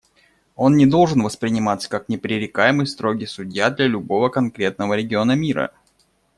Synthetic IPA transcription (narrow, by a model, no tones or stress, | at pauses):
o̞nnʲɪd̪o̞lˠʐɨnvəspɾʲɪnʲɪmat̪sə̥kak̚nʲɪpɾʲɪɾʲɪkajɪmɨjst̪ɾo̞ɡʲɪsʊdʲjad̪lʲalʲʊbo̞vəkɐnkɾʲe̞t̪nəvəɾʲɪɡʲɪo̞nəmʲiɾə̰